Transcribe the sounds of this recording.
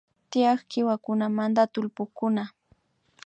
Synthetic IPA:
t̪ɪjɑχkɪwakʊnamant̪at̪ʊlpʊkʊna

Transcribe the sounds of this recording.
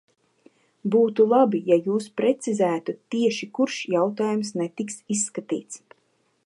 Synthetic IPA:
buːt̪ulˠabijajuːspɾet̪sizæːt̪ut̪ːiɛʃikuɾʃjawt̪aːjumsnet̪iksisːkat̪ḭːt̪s

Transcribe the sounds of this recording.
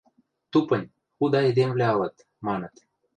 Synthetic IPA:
t̪upɤ̆nʲ | xud̪ɑed̪emβlʲæɑlɤ̆t̪ | mɑnɤ̆t̪

